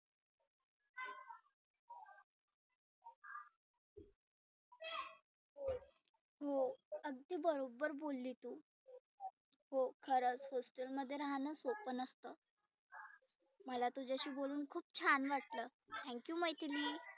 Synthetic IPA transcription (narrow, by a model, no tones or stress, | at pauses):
ɦoəɡ̚d̪iːbəɾobəɾbolːit̪uː | ɦokʰəɾət͡sɦosʈəlməd̪ʱːjeɾaɦanəsopənəst̪əː | məlat̪ud͡ʑaɕiːboluːnkʰuːp̚t͡ɕʰanʋaʈləː | t̪ʰɛ̃ŋkjuməjt̪iliː